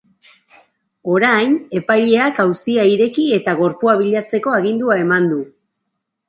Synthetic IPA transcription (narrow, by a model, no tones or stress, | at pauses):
o̞ɾajne̞pajʎe̞akawsiaiɾe̞kie̞t̪aɣ̞o̞ɾpuaβ̞iʎat͡se̞ko̞aɣind̪uae̞mand̪u